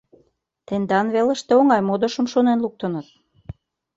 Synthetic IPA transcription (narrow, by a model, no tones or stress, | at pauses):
t̪end̪ɑnβelə̆ʃt̪eoŋɑjmod̪oʃə̆mʃonenluk̚t̪ənɤ̆t̪̚